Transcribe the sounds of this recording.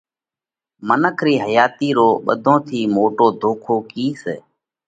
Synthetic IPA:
mənəkʰɾiːɦəjaːt̪iːɾoːɓə̰d̪ʱõːt̪ʰiːmoːʈoːd̪ʱoːkʰoːkiːsḛː

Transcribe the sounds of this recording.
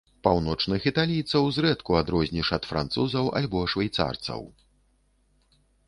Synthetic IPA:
pawnɔt͡ʂnɨxit̪alʲijt̪sɐwzɾɛt̪kuad̪ɾɔzʲnʲiʂɐt̪fɾa̰nt̪suzɐwʔa̰lʲbɔʂvajt̪sa̰rt̪sɐ̰w

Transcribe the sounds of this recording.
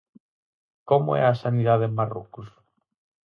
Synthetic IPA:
komʊ̰ɛ̰asaniðaðemaro̰kʊs

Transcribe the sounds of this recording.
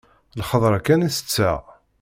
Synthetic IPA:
lχəðˤɾˤækːænisə̥t͡sːæ

